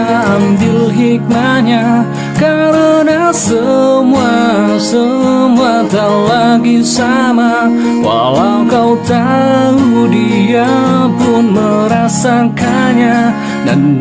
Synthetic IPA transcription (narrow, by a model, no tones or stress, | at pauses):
ambɪlɦik̚maɲa | kaɾənasəmuasəmuat̪alaɡisama | wa̰lawkawt̪aludiapʊnməɾasakaɲa | da̰n